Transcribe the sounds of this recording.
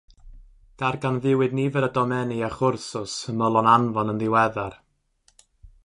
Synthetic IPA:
d̥arɡanðɪwɨdnivɛɾədɔmɛniaχʊrsʊsəməlˠɔnanvɔnənðɪwɛðar

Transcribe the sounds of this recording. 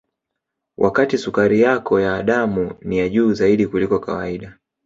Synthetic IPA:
wʔa̰katisukaɾijakʰɔjaːɗamunijaʄuːzaiɗikulikɔka̰waiɗa

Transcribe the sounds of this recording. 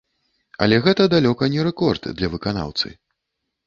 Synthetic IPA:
ɐ̰lʲɛɣɛt̪ɐd̪alʲɔkɐnʲɛɾɛkɔrd̪d̪lʲɐvɨkana̰wt̪sɨ̰

